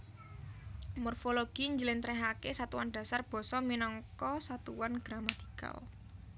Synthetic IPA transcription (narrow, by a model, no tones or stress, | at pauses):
mɔrfoloɡ̥i̤ɲd͡ʒəlɪnt̪ɾɛɦakesat̪uwanɖ̥ä̤sarb̥ɔ̤sɔminɔŋkɔsat̪uwanɡ̥ɾamat̪i̥ka̰l